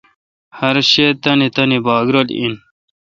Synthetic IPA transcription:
hɐɾɕet̪ɐnit̪ɐnibɑːɡɾɐlḭn

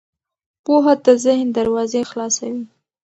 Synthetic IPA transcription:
poɦad̪əzɪhnd̪aɾwɑzexlɑsawi

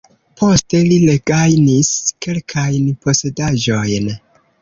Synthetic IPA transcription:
pʰo̞ste̞lileɡ̥ajniske̞lkʰajnpo̞se̞daʒo̞jn

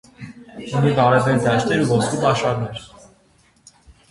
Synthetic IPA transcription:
univɑɾɛvɛɾd̪ɑʃt̪ʰɛɾuvɔskupɑʃɑɾnɛɾ

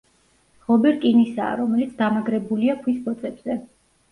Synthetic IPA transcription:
ʁɔbɛɾkʼinisa̰ːɾɔmɛlit̪sʰd̪amaɡɾɛbuliakʰwisbɔt̪sʼɛbz̥ɛ

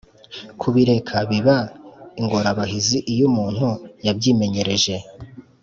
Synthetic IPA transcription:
kʰuβiɾe̞kʰaβiβaiŋɡo̞ɾaβaɦiziʔijumuːn̥hujabɟiːme̞ɲe̞ɾe̞ʒe̞

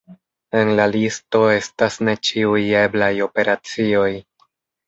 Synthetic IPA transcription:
e̞nlalisto̞e̞stasne̞t͡ʃiuje̞blajo̞pe̞ɾat͡sio̞j

